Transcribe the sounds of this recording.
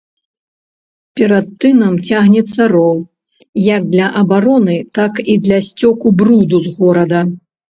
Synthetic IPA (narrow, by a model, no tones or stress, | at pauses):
pʲɛɾɐt̪̚t̪ːɨnɐmt͡sʲaɣnʲɛt̪sːɐrɔw | jɐɡ̚d̪lʲɐʔɐbaɾɔnɨt̪akid̪lʲɐsʲt͡sʲɔkubɾud̪uzɣɔɾɐd̪ɐ